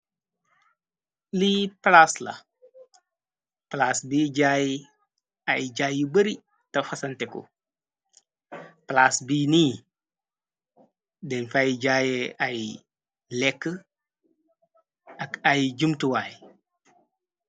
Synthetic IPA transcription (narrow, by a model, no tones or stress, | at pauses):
liplaslɐ̰ | plaːsbiːɟaji | ajd͡ʒajubəɾi | tɐfɐsɐnteko̰ | plasbiːniː | denfajid͡ʒaːjeaji | lekːə | akajid͡ʒumtuwaːji